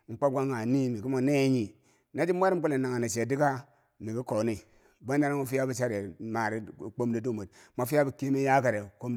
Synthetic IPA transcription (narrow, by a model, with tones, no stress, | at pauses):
ŋ͡m̩˨k͡pa˦b̚ɡa˦ŋa˨ni˦mi˨ku˦mo˨ne˦ɲi˨ | na˦d͡ʒi˦m˦a˦ɾi˦m̩˦ko˦le˨na˨ŋa˨na˨t͡ʃe˨di˦ka˦ | mi˨ki˦ko˨ni˦ | ba˦n˦a˦na˦ma˦fi˦ja˦bu˦t͡ʃa˦ɾe˨ma˨ɾi˦˨k͡po˦mdi˦du˦˨mu˨t̚ma˨fi˦ja˦bu˦ki˦mi˦ja˦ka˨ɾe˨ko˦m˦